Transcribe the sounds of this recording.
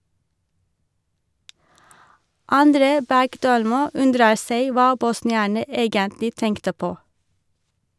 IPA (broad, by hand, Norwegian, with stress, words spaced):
ɑnˈdɾeː ˈbæɡˌdøːlmuː ˈʉndɾə ˈseɪ ˈʋɑː bɔsnɪˈæːɳə ˈeːɡəntlɪ ˈtɛŋktə ˈpoː